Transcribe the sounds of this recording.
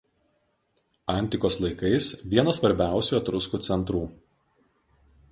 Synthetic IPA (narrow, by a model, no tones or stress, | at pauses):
ɐˑnʲt̪ʲɪkoːslˠɐɪkɐɪsʋʲiɛnɐsʋɐɾʲbʲæˑʊsʲuːɐt̪ɾʊskuːt̪sʲɛnt̪ɾuː